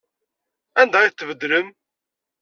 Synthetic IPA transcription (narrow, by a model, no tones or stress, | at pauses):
ænd̪æiθt̪ːvəd̪ɾəm